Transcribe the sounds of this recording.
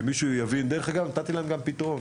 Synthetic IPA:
miʃujavind̪eʁeχaɡamnat̪at̪ilanuɡampit̪aʁon

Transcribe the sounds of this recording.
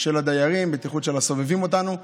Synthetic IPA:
ʃelad̪ajaʁimbet̪iχut̪ʃelaso̞vevimo̞t̪anu

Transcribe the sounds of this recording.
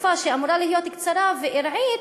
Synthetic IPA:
faʃeamuɾalihijo̞t̪kt͡saɾaveʔiɾʕi

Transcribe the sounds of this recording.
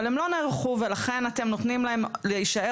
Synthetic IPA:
lemlo̞neʁχuvelaχe̞nat̪e̞mnot̪nimlaɦemleiʃae

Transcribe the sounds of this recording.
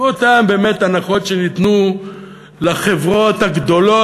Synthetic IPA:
otambe̞ːme̞tanaχo̞tʃenit̪nu | laχe̞vʁo̞thaɡd̪o̞lo̞

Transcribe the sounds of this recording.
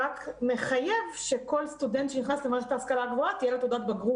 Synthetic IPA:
akme̞χaje̞vʃeko̞lst̪udent̪ʃeniχnaslemaʃet̪aːskalaɡvoat̪ijelotodat̪baɡʁu

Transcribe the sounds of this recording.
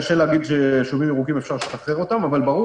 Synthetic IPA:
aʃeleaɡid̪ʃeʃuvimiʁukimefʃaʁʃet̪aχeʁo̞t̪amavalbaʁu

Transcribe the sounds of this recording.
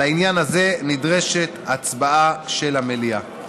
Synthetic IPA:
ainjanaze̞nidʁe̞ʃe̞t̪at͡sbaaʃe̞lamelia

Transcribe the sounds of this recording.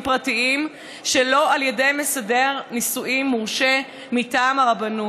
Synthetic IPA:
pʁatiim | ʃelo̞aljede̞jme̞sade̞ʁnisuʔimːuʁʃe | mitaːmaʁabanu

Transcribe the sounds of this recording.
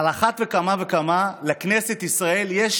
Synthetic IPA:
laχat̪vekamavekamalekne̞set̪isʁae̞ljeʃ

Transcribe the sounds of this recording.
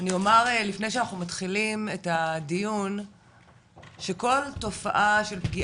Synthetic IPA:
aniomaʁelifnejʃeanaχnumatχilimetadijun | ʃeko̞lto̞fa̰ʔaʃe̞lpɡi

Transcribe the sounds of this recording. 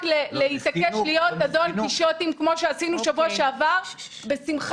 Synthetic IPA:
kleleit̪akeflijo̞t̪azo̞nkiʃo̞timkmo̞ʃeasinuʃavuaʃeavaʁ | be̞simχ

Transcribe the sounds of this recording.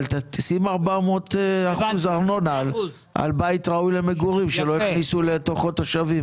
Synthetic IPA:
lt̪at̪isimaʁbamot̪aχuzaʁno̞nal | a̰lbait̪ʁaujlemeɡuʁimʃeloiχnisulet̪oχotːoʃavim

